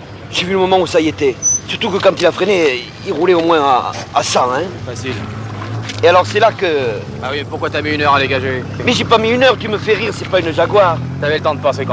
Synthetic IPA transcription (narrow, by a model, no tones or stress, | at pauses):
ʒ̥evyləmɔmɑ̃usaiet̪ɛsyʁt̪ukəkɑ̃t̪ilafχene | iʁulɛomwɛ̃a̰asɑ̃ɛ̃fasil | ealɔʁsɛlakə | bawiepuʁkwat̪yamiynœʁad̪eɡaʒe | mɛʒepamiynœʁt̪yməfɛʁiʁsɛpaynəʒaɡwaʁt̪yavɛlət̪ɑ̃d̪əpɑ̃sek